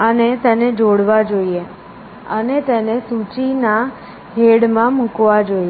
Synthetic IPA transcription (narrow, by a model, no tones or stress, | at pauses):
ənet̪ɛned͡ʒoɽʋad͡ʒoie | ə̰net̪ɛnesut͡ʃina | ɦeɽmãmũkʋad͡ʒoie